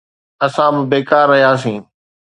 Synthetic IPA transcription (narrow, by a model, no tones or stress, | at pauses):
ɐsãbɪbeːkaːɾːɐɦijaːs̬ĩː